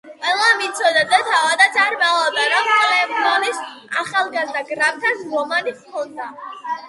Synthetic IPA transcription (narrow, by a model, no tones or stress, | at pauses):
qʼwɛlˠamit̪sʰɔd̪ad̪at̪ʰavad̪at̪sʼaɾmalˠɔd̪aɾɔmkʼlɛmd̪anisaχalˠɡazd̪aɡɾap̚ʰt̪ʰanɾɔmaniχkʰɔnd̪a